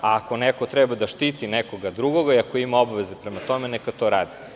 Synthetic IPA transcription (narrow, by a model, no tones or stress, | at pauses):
aːko̞neko̞t̪ɾɛbad̪aʃt̪iːt̪inekoɡad̪ɾuɡoɡaiako̞imaobaʋe̞zepɾemat̪o̞menekat̪oːɾaːd̪i